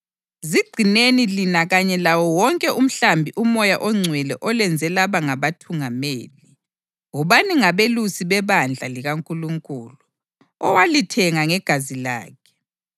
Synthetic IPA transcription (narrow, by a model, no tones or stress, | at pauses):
ziɡ͡ǀʱinenilinaɣaɲɛlawɔwɔŋkʼɛum̩ɬambʱiʔumɔjaʔɔŋ͡ǀʱwɛlɛʔɔlɛnd͡zʱɛlaβaŋaβatʰuŋameːli | ŋɔβaniŋaβelusiβɛβand͡ɮʱaliɣaŋkʼuluŋkʼuːlu | ɔwalitʰɛŋaŋɛɡ̥ʱazila̰ːkʰɛ̥